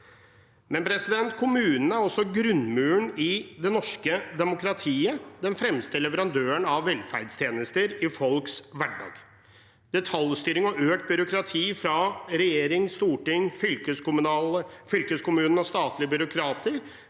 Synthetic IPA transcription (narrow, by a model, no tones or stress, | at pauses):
mɛnpʰɾɛsɪd̪ɛnt̪kʰʊmʉːnn̩æɾɔsːɔɡɾʉnmʉːəɳɪd̪ɛnɔʂkəd̪ɛmʊkɾɑt̪ʰiːəd̪ɛnfɾɛmst̪əlɛʋəɾɑnd̪øːəɳɑʋːɛlfæɾɖst̪ʰjeːnəst̪əɾɪfɔlksʋæɖɑ̰ːɡ | d̪̥ɛt̪ʰɑlˠst̪yːɾɪŋɔøːkt̪̚bʏɾʊkɾɑt̪ʰiːfɾɑɾɛjeːɾɪŋst̪uːʈɪŋfʏlkəskʊmnɑːləfʏlkəskʰʊmʉːnn̩ɔst̪ɑːt̪lɪəbʏɾʊkʰɾɑːt̪əɾ